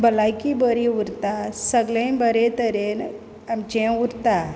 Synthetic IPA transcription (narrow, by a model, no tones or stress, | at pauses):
bəlajkibəɾiuɾt̪asəɡlẽbəɾet̪əɾen | amt͡ɕẽuɾt̪a